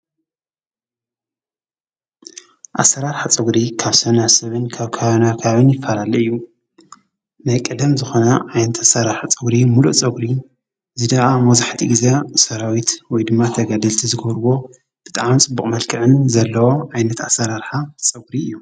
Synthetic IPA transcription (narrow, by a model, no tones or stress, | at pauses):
ʔa̰sːɐɾaɾħat͡sʼɨɡɾikʰaβsɐnasɐβɨnkʰaβkʰaaβonakʰaβaβɨnjɪfːalalɐɨjːu | najkʼɐd̪ɐmzɨxo̞nɐʕajnɐt̪ʰasaɾaħat͡sʼɨɡɾimuluʔt͡sʼɐɡɾi | zɨd̪aʔamɐzaħt̪ʰiɡizesɐɾawit̪wɔjd̪ɨmːat̪ʰɐɡad̪ɐlt̪ʰizɨɡɐβɾwo̞ | b̥ɨt̪ʼaʕmt͡sʼɨbːukʼmɐlkʰɨʕɨnzɐlːɐwoʕajnɐt̪asɐɾaɾħat͡sʼɐɡɾiɨjːu